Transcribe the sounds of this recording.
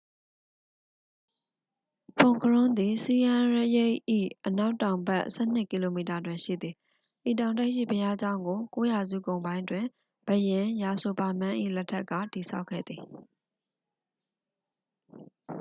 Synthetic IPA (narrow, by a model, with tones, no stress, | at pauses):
pʰʊ̃˨ŋkʰəɹʊ̃˦nd̪i˨si˨ʔã˨ɹje˦˨ʔḭ˦˨ʔəna˦ʊtːã˨ʊ̃mbɛ˦ʔsɛ̰˦˨n̥ɪ˦ʔki˨lo˨mi˨ta˨dwɪ̃˨ʃḭ˦˨d̪ði˨ | ʔi˨tã˨ʊ̃nta˦ɪʔʃḭ˦˨pʰəja˦d͡ʑã˦ʊ̃ŋɡo˨ko˦ja˨zṵ˦˨ɡõ˨ʊ̃mbã˦ɪ̃ntwɪ̃˨ | bə˨jɪ̃˨ja˨so˨ba˨mã˦ʔḭ˦˨lɛ˦tʰɛ˦ʔkːä̰˦˨ti˨sʰa̰˦ʊkʰːɛ̰˦˨d̪ði˨